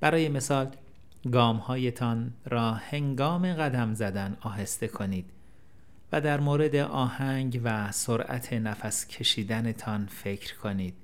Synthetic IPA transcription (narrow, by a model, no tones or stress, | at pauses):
b̥æɾɒːje̞me̞sɒːl | ɡɒːmhɒːje̞t̪ʰɒnɾɒːhe̞ŋɡɒːme̞ɣæd̪æmzæd̪ænɒːɦest̪e̞kʰo̞niːd̪̥ | væd̪æɾmoːɾe̞d̪e̞ʔɒːhæŋɟvæsoɾʔæ̰t̪ʰe̞næfæscʰe̞ʃiːd̪ænet̪ʰɒnfe̞cʰɾkʰo̞niːd̪̥